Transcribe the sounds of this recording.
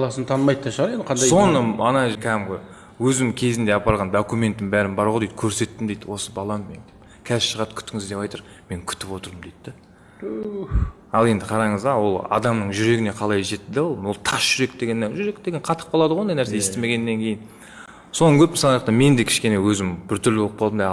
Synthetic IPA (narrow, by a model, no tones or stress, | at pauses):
ɑlˠɑsənt̪ʰɑnmɑjd̪t̪ʰːɑʃəʁɑɾend̪əqʰɑnd̪jso̞nəɑnɑʒkʲʰæɪmʁoj | wɵzɪmkʲʰe̞zɪnd̪e̞ɑpɑɾlˠʁɑnd̪okumʲe̞nt̪ːɪnbæɾɪnbɑɾʁod̪ejd̪̥kʲʰɵɾse̞t̪ːɪmd̪ejd̪ɪwo̞səbɑlˠɑnmḛŋd̪e | kʲʰæzʃəʁɑt̪kʲʰʏ̥t̪ɪŋɪzd̪e̞pɑjt̪əɾ | me̞ŋkʲʰʏ̥t̪ɪ̥pwo̞t̪əɾəmd̪ejd̪ːɪ | ɑlˠe̞nd̪ɪqʰɑɾɑɴəzɑwo̞lˠɑ̰d̪ɑmnəɴʒʏɾe̞ɡʲɪne̞qʰɑlˠɑjʒe̞t̪ːɪd̪olˠbʊlˠt̪ʰɑsʒ̥ʏɾe̞k̚d̪e̞ɡʲe̞nːenʒʏɾe̞k̚d̪eɡʲenqʰɑt̪ʰə̥q̚bolˠɑd̪əʁoond̪ɑjnæɾseje̞st̪eme̞ɡʲe̞nːeŋkʲʰe̞jɪn | sonəŋkʲʰɵpmɪsɑlˠɑjqt̪ɑme̞nd̪e̞kʲʰɪ̥ʃkʲe̞ne̞wɵzɪmbɪɾt̪ʰʏɾlɪbolˠəpqʰolˠənd̪ɑj